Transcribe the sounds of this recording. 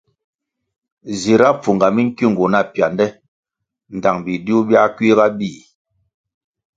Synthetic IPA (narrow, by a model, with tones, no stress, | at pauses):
zi˨ɾa˦p͡fu˨ŋɡa˨mi˦ŋ̩˦ki˦˨ŋ˨ɡu˨na˦˨pja˨ndɛ˦ | n̩˨da˨ŋbi˨du˦bja˦ki˦ɣa˦bi˦˨